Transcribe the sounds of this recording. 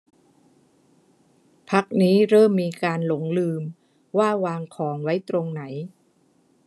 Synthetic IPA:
pʰa˦˥k̚niː˦˥ɾɤː˥˩mːiː˧kaː˧nlo˩˦ŋlɯː˧m | waː˥˩waː˧ŋkʰɔː˩˦ŋwa˦˥jt̪ɾo˧ŋna˩˦j

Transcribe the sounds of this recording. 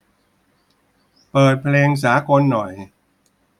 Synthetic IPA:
pɤː˨˩t̪̚pʰleː˧ŋs̬aː˩˦ko˧nːɔ˨˩j

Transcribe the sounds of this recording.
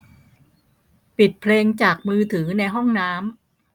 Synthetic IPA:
pi˨˩t̪̚pʰleː˧ŋt͡ɕaː˨˩k̚mɯː˧t̪ʰɯː˩˦na˧jɦɔ˥˩ŋnaː˦˥m

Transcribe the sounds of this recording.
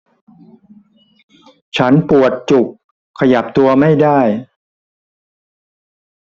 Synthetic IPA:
t͡ɕʰa˦˥npu˨˩ət̪̚t͡ɕu˨˩k̚ʰː | a˧ja˨˩p̚t̪u˧ɐma˥˩jda˥˩j

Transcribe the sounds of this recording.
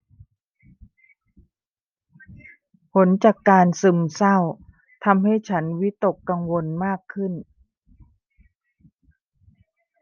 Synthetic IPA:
pʰo˩˦˥nt͡ɕaː˨˩kːaː˧nsɯ˨˩msa˥˩w | t̪ʰa˧mha˥˩jt͡ɕʰa˦˥nwi˦˥t̪o˨˩kːa˧ŋwo˧nmaː˥˩kʰːɯ˥˩n

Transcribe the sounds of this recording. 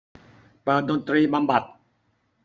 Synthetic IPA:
pɤː˨˩t̪̚do˧nt̪ɾiː˧ba˧mba˨˩t̪̚

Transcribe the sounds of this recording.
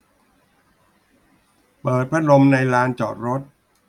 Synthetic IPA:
pɤː˨˩t̪̚pʰɾa˦˥lo˧mna˧jɾaː˦˥nt͡ɕɔː˨˩t̪̚ɾo˦˥t̪̚

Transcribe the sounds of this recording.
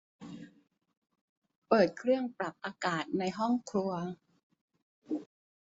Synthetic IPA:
pɤː˨˩t̪̚kʰɾɯ˥˩əŋpɾa˨˩p̚ʔaː˧kaː˨˩t̪̚na˧jɦɔ˥˩ŋkʰɾu˧ɐ

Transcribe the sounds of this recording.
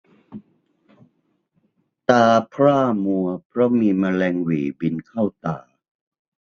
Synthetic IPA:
t̪aː˧pʰɾaː˥˩mu˧ɐpʰɾɔ˦˥miː˧ma˧lɛː˧ŋwiː˩˦bi˧nkʰa˥˩wt̪a̰ː˧˩

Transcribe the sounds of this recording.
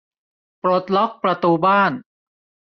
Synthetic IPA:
pɾo˨˩t̪̚lɔ˦˥k̚pɾa˧t̪uː˧baː˥˩n

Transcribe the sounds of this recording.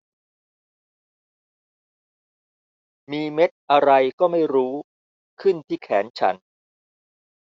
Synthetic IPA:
miː˧me˦˥t̪̚ʔa˧ɾa˧jkɔː˥˩ma˥˩jɾuː˦˥ | kʰɯ˥˩nt̪ʰiː˥˩kʰɛː˩˦nt͡ɕʰa̰˦˥n

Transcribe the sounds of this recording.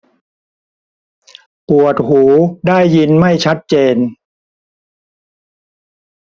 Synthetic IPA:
pu˨˩ət̪̚huː˩˦daː˥˩jːi˧nma˥˩jt͡ɕʰa˦˥t̪̚t͡ɕeː˧n

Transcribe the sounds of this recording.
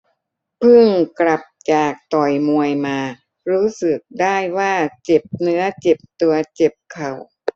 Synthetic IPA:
pʰɯ˥˩ŋkla˨˩p̚t͡ɕaː˨˩k̚t̪ɔ˨˩jmu˨˧əjmaː˧ | ɾuː˦˥sɯ˨˩k̚daː˥˩jwaː˥˩t͡ɕe˨˩p̚nɯ˦˥ɐt͡ɕe˨˩p̚t̪u˧ɐt͡ɕe˨˩p̚kʰa˨˩w

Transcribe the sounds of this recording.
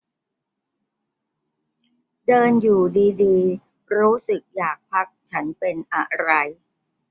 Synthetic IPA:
dɤː˧njuː˨˩diː˧diː˧ | ɾuː˦˥sɯ˨˩k̚jaː˨˩k̚pʰa˦˥k̚t͡ɕʰa˦˥npe˧nʔa˨˧˩ɾa˧j

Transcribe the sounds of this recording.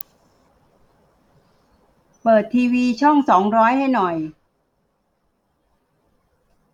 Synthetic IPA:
pɤː˨˩t̪ʰːiː˧wiː˧t͡ɕʰɔ˥˩ŋsɔː˩˦ŋɾɔː˦˥jha˥˩jnɔ˨˩j

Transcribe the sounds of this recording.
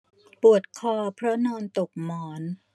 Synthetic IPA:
pu˨˩ət̪̚kʰɔː˧pʰɾɔ˦˥nɔː˧nt̪o˨˩k̚mɔː˩˦n

